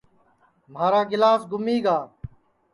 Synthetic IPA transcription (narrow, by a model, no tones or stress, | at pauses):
m̤aːɾaːɡɪlaːsɡʊmiːɡaː